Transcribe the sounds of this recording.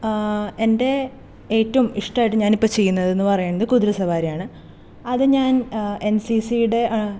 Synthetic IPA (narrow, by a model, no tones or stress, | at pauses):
e̞nde̞ | eːtːɐumiʂʈɐaːjʈːɨɲaːnipːot͡ɕe̞jːunːɐðe̞nːɨpɐrɐjaːɳːɐðɨkuðɾɐsɐʋaːɾijaːɳɨ | ɐðɨɲaːne̞nsisijuɽe̞ʔ